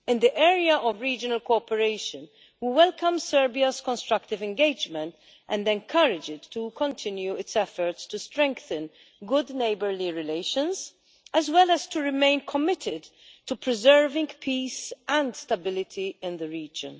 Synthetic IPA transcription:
ɪ̃nd̪iʔɛːɾiɐʔɔvɹiːd͡ʒənɐlkɔːpɛɾeɪʃə̃n | wiwɛlkɐ̃msɛɹbiɐzkɔ̃nst̪ɾɐkt̪ɪvɛ̃nɡeɪd͡ʒmɛ̃nt̪ | ʔɛ̃ndɛ̃nkʰɐɾɪd͡ʒɪtːukɔ̃nt̪ʰɪ̃njuɪtsɛfəɹtstustɾɛ̃ŋkθə̃n | ɡʊdneɪbəɹliɹɪleɪʃə̃nz | ɛzwɛlɛztuɹɪmẽɪ̃nkʰɔmɪtʰɪd | tupɹɪzɛɹvɪ̃ŋɡpʰiːsɛ̃nd̪stɐbɪlɪt̪ʰiɪ̃nðəɹiːd͡ʒə̰̃n

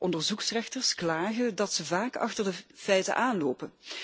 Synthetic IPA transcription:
ʔɔndəɹzuksrɛxtərsklaːɣədɑtsəvaːkɑ̰xtərdəfɛjtə̰ʔaːnloːpən

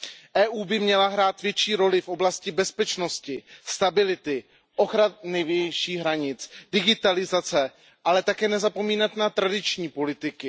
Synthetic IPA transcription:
ʔɛːʔuːbɪmɲɛlaɦɾaːt̪vjɛt͡ʃiːɾo̞lɪfʔo̞blascɪbɛspɛt͡ʃno̞scɪst̪abɪlɪt̪ɪ | ʔoxɾanɛvjɛʃiːɦɾaɲɪt͡sdɪɡɪt̪alɪzat͡sɛ | ʔalɛt̪akɛːnɛzapo̞miːnat̪nat̪ɾadɪt͡ʃɲiːpo̞lɪt̪ɪkɪ

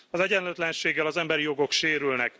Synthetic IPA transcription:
ɒzɛɟɛnløt̪lɛnʃeːɡːɛlɒzɛmbɛɾijo̞ɡo̞kʃeːɾylnɛk

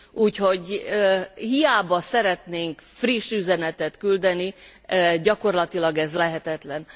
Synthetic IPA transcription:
uːcho̞ɟ | hijaːbɒsɛɾɛt̪neːŋkfriʃːyzɛnɛt̪ɛt̪kyld̪ɛni | ɟɒko̞rlɒt̪ilɒɡɛzlɛɦɛt̪ɛt̪lɛn

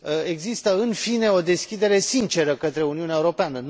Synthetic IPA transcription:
e̞ɡzist̪əɨnfine̞o̞d̪e̞skʲid̪e̞ɾe̞sint͡ʃe̞ɾəkət̪ɾe̞uniuneaeuɾo̞peanən

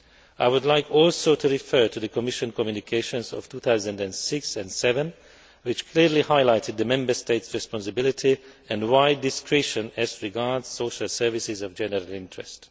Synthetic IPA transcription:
aɪwudlaɪkʰɔlsoʊtʰuɹifɜ˞tʰuðəkɔmɪʃə̃nkɔmjunikʰeɪʃə̃nzɔ̰ftʰuːθaʊzə̃ndɛ̃nsɪksɛ̃ndsɛvə̃n | wɪt͡ʃkʰliɹlihaɪlaɪtɪd̪̚ðəmɛ̃mbə˞steɪtsɹɛspɔ̃nsəbɪlɪtʰi | ɛ̃ndwaɪdɪskʰɹɛʃə̃nɛzɹiɡaɹdz̥soʊʃalˠsɜ˞vɪsɪzɔvd͡ʒɛnəɹalɪ̃ntɹɛst

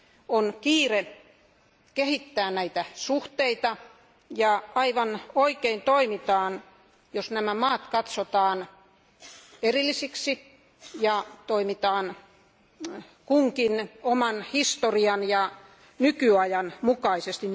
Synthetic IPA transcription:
onkiːre | kehit̪ːæːnæit̪æsuht̪eit̪ɑ | jɑɑiʋɑnoikeint̪oimit̪ɑːn | josnæmæmɑːt̪kɑt̪sot̪ɑːn | erilːisiksi | jɑt̪oimit̪ɑːn | kuŋkinomɑnhist̪oriɑnjɑ | nykyɑjɑnmukɑisest̪i

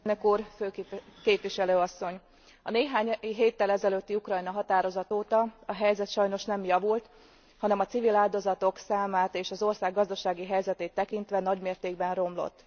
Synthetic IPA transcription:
nøkuːrføːkeːpʋiʃɛløːɒsːo̞ɲ | ɒneːɦaːɲɦeːt̪ːɛlɛzɛløt̪ːiukrɒjnɒɦɒt̪aːɾo̞zɒt̪oːt̪ɒɒɦɛjzɛt̪ʃɒjno̞ʃnɛmjɒvult̪ | hɒnɛmɒt̪sivilaːld̪o̞zɒt̪oksaːmaːt̪eːʃɒzo̞rsaːɡːɒzd̪ɒʃaːɡiɦɛjzɛt̪eːt̪ːɛkint̪ʋɛnɒɟmeːrt̪eːɡbɛnro̞mlo̞̰t̪ː

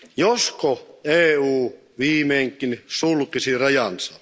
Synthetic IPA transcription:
joskoeːuː | ʋiːmeːŋkˑːinsulkisirɑjɑnsɑ

